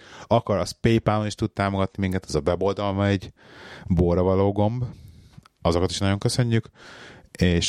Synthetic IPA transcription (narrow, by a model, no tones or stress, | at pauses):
ɒkɒɾɒspejpaloniʃt̪ut̪̚t̪aːmo̞ɡɒt̪nimiŋkɛt̪ɛzɒvɛbo̞ld̪ɒlmɒɛɟ | boːrɾɒvɒloːɡo̞mb | ɒzo̞kɒt̪iʃnɒɟo̞ŋkø̞sø̞ɲːyk | eːʃ